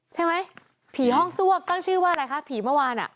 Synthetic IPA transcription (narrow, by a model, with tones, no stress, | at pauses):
t͡ɕʰa˥˩jma˦˥j | pʰiː˩˦ɦɔ˥˩ŋsu˥˩əm̚t̪a˥˩ŋt͡ɕʰɯː˥˩waː˥˩a˧ɾa˧jkʰa˦˥pʰiː˩˦mɯ˥˩˨waː˧nʔa̰˨˩ʔ